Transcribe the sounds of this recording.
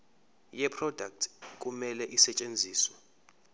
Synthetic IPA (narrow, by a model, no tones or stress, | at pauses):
jɛpʰrɔdʱak̚tʰkʼumɛlɛʔisɛt͡ʃʼend͡zʱiːswɛ